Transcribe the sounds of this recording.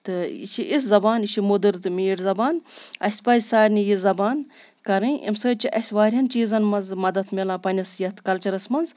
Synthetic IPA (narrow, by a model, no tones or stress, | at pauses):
t̪ɨḭʃʰiʔiszɐbaːniʃʰimod̪ɨɾt̪ɨmʲiːɽʲzɐbaːnɐ̰sʲpɐzʲsaːɾʲnijizɐbaːn | kɐɾɨʔḭmsɐːt͡ʃʰiʔɐ̰sʲʋaːɾʲjɐnt͡ʃiːzɐnmɐnzmɐd̪ɐt̪ʰmʲelãːpɐnʲɐsjɐt̪ʰkɐlt͡ʃɐɾɐsmɐnz